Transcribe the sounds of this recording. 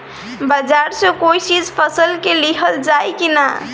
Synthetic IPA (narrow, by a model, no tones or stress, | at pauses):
bəd͡ʒaɾsə̃koit͡ʃid͡ʒpʰəsəlkeliɦəld͡ʒajkina